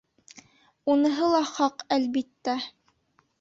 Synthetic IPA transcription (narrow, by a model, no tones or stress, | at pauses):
unɤ̆ɦɤlˠɑχɑqælbit̪ːæ